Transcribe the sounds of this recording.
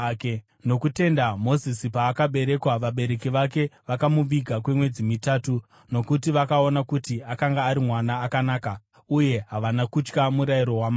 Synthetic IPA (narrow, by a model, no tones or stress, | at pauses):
k | no̞kute̞ndamo̞zisipaːkaɓe̞ɾe̞kwaʋaɓe̞ɾe̞kiʋake̞ʋakamuʋiɡʱakwe̞mwe̞d͡zimitaːtu | no̞kut̬iʋakao̞nakutiakaŋɡaːɾimwanaːkanaːka | uje̞ɦaʋanakut͡ʃkamuɾajiɾo̞wama